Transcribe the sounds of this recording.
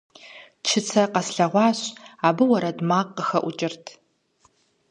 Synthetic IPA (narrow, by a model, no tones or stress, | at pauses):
t͡ʃʰɪt͡sʰɐqɐsɬɐʁʷɑːɕaːbɨwɐɾɐdmaːqːəxɐʔʷʊt͡ʃʼɪrtʰ